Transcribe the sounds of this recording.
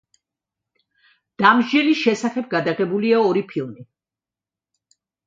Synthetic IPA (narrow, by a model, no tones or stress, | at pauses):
d̪̥amʒɛliʃɛsaχɛb̚ɡad̪aʁɛbuliaɔɾipʰilˠmi